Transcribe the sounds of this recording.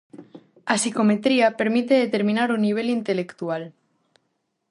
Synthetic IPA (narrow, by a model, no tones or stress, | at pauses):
asiko̞me̞t̪ɾiape̞ɾmit̪e̞ðet̪e̞ɾmĩnaɾunːiβ̞e̞lint̪e̞le̞kt̪ual